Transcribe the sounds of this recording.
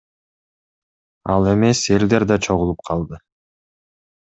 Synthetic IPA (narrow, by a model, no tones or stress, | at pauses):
ɑ̰lˠe̞me̞se̞ld̪e̞ɾd̪ɑt͡ʃʰo̞ʁulˠup̚qʰɑlˠd̪ɯ